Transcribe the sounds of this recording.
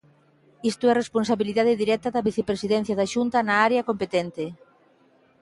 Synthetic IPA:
ist̪ʊɛresponsaβiliðaðɪðiɾɛt̪ɐðɐβiθepɾesiðɛn̟θjɐðɐʃunt̪ɐnɐaɾeɐkompet̪ɛnt̪e

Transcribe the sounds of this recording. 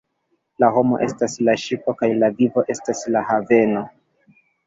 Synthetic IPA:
laɦo̞mo̞̰ʔe̞staslaʃipo̞kajlavivo̞ʔe̞staslahave̞no̞

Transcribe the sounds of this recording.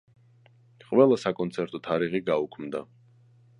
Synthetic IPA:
qʼvɛlˠasakʼɔnt̪sʰɛɾt̪ʼɔt̪ʰaɾiʁiɡaukʰmd̪a

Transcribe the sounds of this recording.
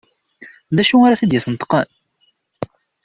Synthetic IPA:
ðæʃuaɾaθæd̪jəsənt̪qə̰n

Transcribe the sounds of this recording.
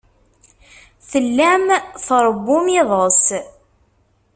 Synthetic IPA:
θəlːæmθɾˤəbːʊmɪðˤəs

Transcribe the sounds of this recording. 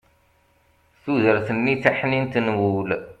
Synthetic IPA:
θuðəɾθənːiθaħnint̪ənwul

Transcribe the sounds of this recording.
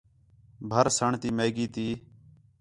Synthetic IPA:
bʱəɾsəɳt̪iːmeːɡiːt̪iː

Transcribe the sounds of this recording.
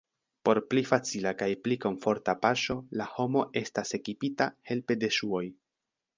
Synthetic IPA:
po̞ɾplifat͡silakajpliko̞ɱfo̞ɾtapaʃo̞laho̞mo̞ʔe̞stase̞kipitahe̞lpe̞de̞ʃuo̞j

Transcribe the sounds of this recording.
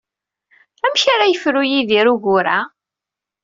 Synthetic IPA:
æmçaɾajəfɾujiðiɾuʝʊɾa

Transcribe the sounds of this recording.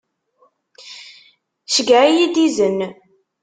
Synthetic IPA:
ʃəɡaʕijid̪izən

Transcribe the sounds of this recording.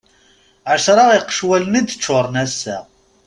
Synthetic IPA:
ʕəʃɾˤɑʁiqːə̥ʃwælənid̪t͡ʃːʊɾˤnæsːæ

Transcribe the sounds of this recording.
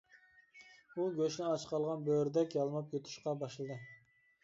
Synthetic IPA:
uɡʲøʃnɪɑt͡ʃqʰɑlˠʁɑnbøɾd̪ɛkʲjɑlˠmɑp̚jøt̪ʰy̥ʃqɑbɑʃlˠɨd̪ɨ

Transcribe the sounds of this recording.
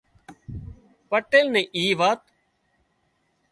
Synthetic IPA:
pəʈeːlnẽːʔiːʋaːt̪

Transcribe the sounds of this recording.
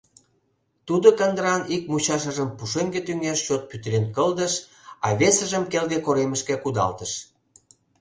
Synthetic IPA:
t̪ud̪okənd̪əɾɑnik̚mut͡ɕɑʃ̬ə̆ʒəmpuʃemɡet̪yŋeʃt͡ɕot̪̚pyt̪əɾenkəld̪əʃ | ɑβesəʒəmkelɣekoɾeməʃkekud̪ɑ̰lt̪əʃ

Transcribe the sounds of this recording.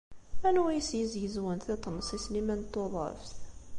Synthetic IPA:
ænwjəsjəzjəzwənθit̪ˤːnːsˤislimænt̪ːoðˤə̰fθ

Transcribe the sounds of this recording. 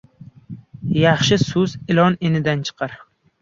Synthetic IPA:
jɑχʃɪsʊzɪlˠɒnenɪd̪ant͡ʃʰɨ̥qʰɑɾ

